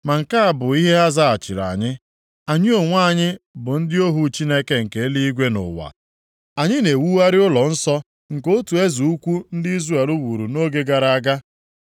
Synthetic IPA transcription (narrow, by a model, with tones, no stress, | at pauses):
ma˨ŋ̩˨ka˦a˨bʊ˨i˦ɦe˦a˦za˦a˨t͡ʃɪ˨ɾa̰˨ɲɪ˦ | a˨ɲɪ˦o˨ŋʷa˦˨ɲɪ˦bʊ˨n̩˦dɪ˦o˦ɦu˨t͡ʃi˦ne˦ke˨ŋ̩˨ke˨˦li˦i˦ɡʷe˦nʊ̰˨wa̰˨ | a˨ɲɪ˦ne˨wu˦wa˦ɾɪ˦ʊ˦lɔ˨n̩˦sɔ˦ | ŋ̩˨ko˦tu˨e˦zu˨u˦kʷu˦n̩˦dɪ˦i˦zra˨e˨lu˦wu˨ɾu˨no˦ɡe˦ɡa˨ɾa˨a˦ɡa˦